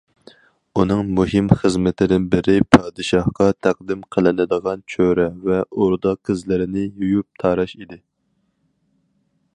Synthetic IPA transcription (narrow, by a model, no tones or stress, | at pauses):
unɨŋmuɦɪmχəzmɪt̪ʰɪd̪ɪnbɪɾɪpʰɑːd̪ɨʃɑhqɑt̪ʰæq̚d̪ɪmqʰəlˠɪnɪd̪əʁɑnt͡ʃʰøɾɛvɛʔoɾd̪ɑqʰːəzlɪɾɪnɪjujup̚t̪ʰɑɾɑʃid̪ɪ